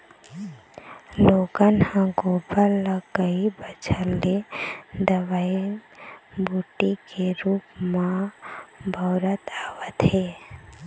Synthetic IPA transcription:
loːɡənhãɡopəɾləkəibəd͡ʒʰəlːed̪əʋai | bʱuːʈikeɾuːpmã | bʱəːɾət̪aːʋət̪ɦe

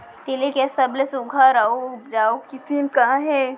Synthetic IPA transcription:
t̪ilikesɐblesʊɡʱaɾaoʊpd͡ʒaːokɪsimkãɦɛ

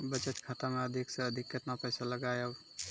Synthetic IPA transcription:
bət͡ʃət̪kʰat̪ameəd̪ʱiksẽəd̪ʱikːət̪napəjsaləɡajəw

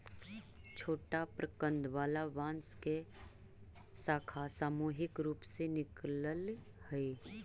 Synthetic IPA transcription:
t͡ʃʰoːʈapɾəkə̃nd̪ʋaːlaʋãːnske | saːkʰasaːmuːɦɪkɾuːpsenɪkləl | həe

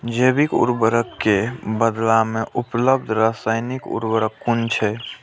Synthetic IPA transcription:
d͡ʒebikṵɾbəɾəkːebəd̪lameʔupləbd̪ʱɾasaɪnikṵɾbəɾəkːunt͡ʃʰɛ

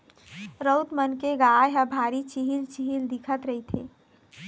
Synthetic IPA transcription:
ɾəwt̪mənkeɡajɦəbʱaɾit͡ʃiɦilt͡ʃiɦild̪ikʰət̪ɾəɦit̪ʰḛ

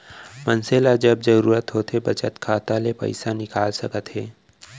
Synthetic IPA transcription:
mənselad͡ʒɐbzɐɾuːɾət̪ɦoːt̪ʰebɐt͡ʃət̪kʰaːt̪alepɐ̰ɪsanɪkaːlsɐkət̪ɦɛː

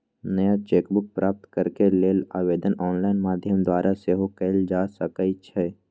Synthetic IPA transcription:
nəjat͡ʃeːkbʊk̚pɾaːp̚t̪kəɾkeleːlaːʋeːd̪ənɔːnlaːɪnmaːd̪ʱjəmd̪waːɾʔaseɦokəld͡ʒaːsəkəit͡ʃʰɛː

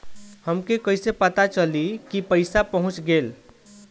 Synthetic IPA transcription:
həmkekəjsepət̪at͡ʃəlikipəɪsapəɦũt͡ʃɡel

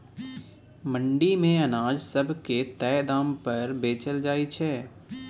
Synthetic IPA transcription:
mə̃ɳɖimẽɐnaːd͡ʒsɐbʱket̪ɛːd̪aːmpɐɾbeːt͡ʃəld͡ʒaːit͡ʃʰɛː

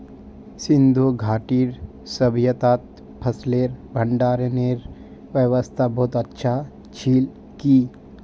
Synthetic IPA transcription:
sɪ̃nd̪ʱuɡʱaːʈiːɾ | səbʱjət̪aːt̪̚ | pʰəsleːɾbʱəɳɖaːɾneɾ | ʋjəʋəst̪ʰabɔːt̪ətːʃʰa | t͡ʃʰiːl | ki

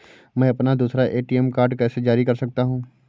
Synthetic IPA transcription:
mɛ̃ːɐpnad̪uːsɾaʔeːʈiɛmkaːɾɖkɛːsed͡ʒaːɾikɐɾsɐk̚t̪aɦũː

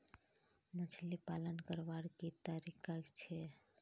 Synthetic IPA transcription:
mət͡ʃʰlipalənkəɾʋaɾket̪aɾikat͡ʃʰe

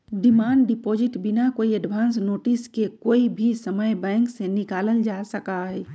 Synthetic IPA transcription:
ɖɪmaːɳɖɖɪpoːd͡ʒɪʈbɪnakoːiəɖbʱãːnsnoːʈɪskekoːibʱisəməjbɛ̃ːŋksenɪkaːləld͡ʒasəkaɦɛː

